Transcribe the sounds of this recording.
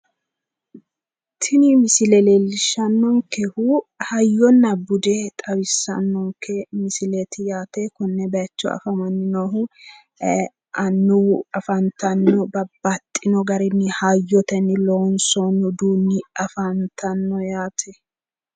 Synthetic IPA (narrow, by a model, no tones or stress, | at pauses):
t̪ʰɪnɪmɪsɪlɛleːlːɪʃɐnːɔŋkɛhuhɐjːɔnːɐbʊd̪et̪ʼɐwɪsːɐ̰nːɔŋkːɛmɪsɪlet̪ɪjaːt̪ɛkɔnːɛbɛɐt͡ʃːɔ̰ɐ̰fɐmɐnːɪnohʊ | ʔɐnːuɐfɐnt̪ʰɐnːɔbɐbːɐt̪ʼːɪnɔɡɐɾɪnːɪhɐjːɔt̪ɛnːɪloːnsɔnʊd̪uːnːɪɐfɐnt̪ʰɐnːɔjaːt̪ʰɛ